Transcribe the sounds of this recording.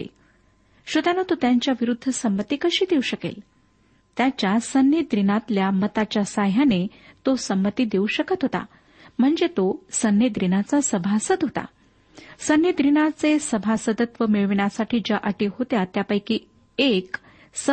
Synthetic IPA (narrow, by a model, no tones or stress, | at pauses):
ḛ | ɕud̪ʱanot̪ot̪jaɲt͡ɕjaʋiɾud̪ʱːəsəmbət̪iːkəɕiːd̪euɕəkḛl | t̪jat͡ɕjasənjid̪ɾinat̪ljamət̪at͡ɕjasaɦanet̪osəmːət̪iːd̪euɕəkət̪ɦot̪a̰ | m̤əɳd͡zet̪osənːed̪ɾinat͡sasəbʱasəd̪ɦot̪a̰ | sənjid̪ɾinat͡sesəbʱasəd̪ət̪ʋəmeɭʋiɳ̃asaʈʰiːd͡ʑaʔəʈiːɦot̪jat̪japəjkiː | ek | sə